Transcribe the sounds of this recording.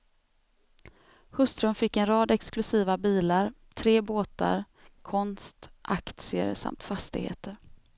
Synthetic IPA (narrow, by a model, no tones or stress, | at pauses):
hɵst̪ɾɵmfɪkːɛnɾɑːd̪ɛksklɵsiːvabiːlaɾ | t̪ʰɾeːboːt̪a̰ɾ | kʰɔnst̪ʔakt̪sɪə̰ɾsa̰mt̪fast̪ɪɡhḛːt̪əɾ